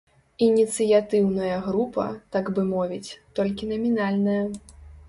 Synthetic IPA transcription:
inʲit̪sɨjat̪ɨwnɐjɐɣɾupɐ̰t̪aɡbɨmɔvʲit͡sʲt̪ɔlʲkʲinɐmʲinalʲnɐjɐ

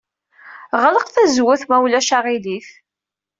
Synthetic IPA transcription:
ʁələqθæzwʊθmæwlæʃaʁiliθ

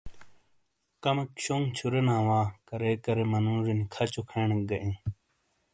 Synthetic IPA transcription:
kɐmɐkɕoŋt͡ɕʰuɾenaːwaːkɐɾeːkɐɾemɐnũːɾinikʰɐt͡ɕokʰeːɳeɡɐʔẽː

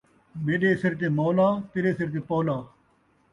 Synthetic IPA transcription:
meːɗeːsɪɾt̪̬eːmoːlaːt̪ɪɾeːsɪɾt̪̬eːpoːlaː

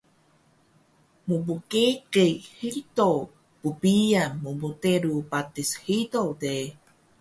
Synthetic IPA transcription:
mubukekejhito | pupiamubuteɾupatishitode

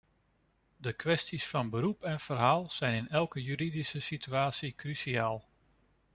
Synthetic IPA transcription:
dəkʋɛstisfɑnbəɾupɛnv̥əɾɦaːlˠz̥ɛjnɪnɛlˠkəjyɾidisəsityaːtsikrysiaːlˠ

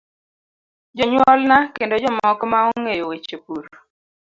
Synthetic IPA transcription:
d͡ʒɔɲwɔlnakendod͡ʒɔmɔkmaoŋejowet͡ʃepuɾ

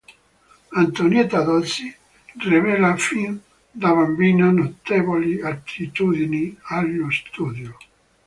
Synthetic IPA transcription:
ant̪onjɛt̪ad̪osi | rivɛlafin | d̪aβambiːnanot̪eːvoliat̪ʰːit̪uːd̪inialːost̪uːd̪jo

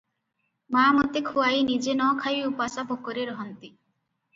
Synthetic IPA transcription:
mamɔt̪ekʰuajnid͡ʒenɔkʰajupasabʱokoɾeɾɔɦɔnt̪i

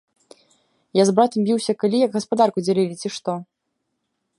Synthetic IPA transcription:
jazbɾat̪ɐmbʲiwsʲɐkalʲijɐɡɣɐspad̪arkud͡zʲalʲilʲit͡sʲiʂt̪ɔ

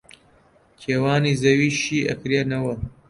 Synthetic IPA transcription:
kʰeːwaːniːzɐwiːʃiːʔɐ̰kɾeːnɐwɐ

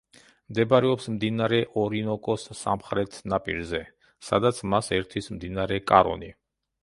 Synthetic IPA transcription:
md̪ɛbaɾɛɔpsmd̪inaɾɛʔɔɾinɔkʼɔsːa̰mχɾɛt̪ʰnapʼḭɾzɛ | sad̪at̪sʰmasɛɾt̪ʰismd̪inaɾɛkʼaɾɔ̰ni

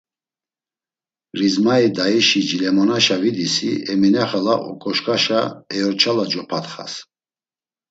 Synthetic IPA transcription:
ɾizmaid̪aiʃid͡ʒilɛmɔnaʃavid̪isiɛminɛχalaʔɔ̰kʼɔʃkʼaʃaɛɔɾt͡ʃʰalad͡ʒɔpʰat̪χa̰s

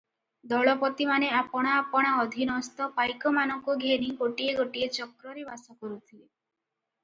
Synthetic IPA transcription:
d̪ɔɭɔpɔt̪imaneapɔɽ̃aːpɔɽ̃aɔd̪ʱinɔst̪ɔpajkɔmanɔŋkuɡʱeɾiɡoʈieɡoʈiet͡ʃɔkɾɔɾebasɔkɔɾut̪ʰie

